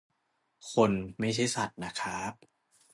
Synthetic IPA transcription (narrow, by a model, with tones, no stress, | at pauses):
kʰo˧nma˥˩jt͡ɕʰa˦˥˩jsa˨˩t̪̚na˦˥kʰaː˦˥p̚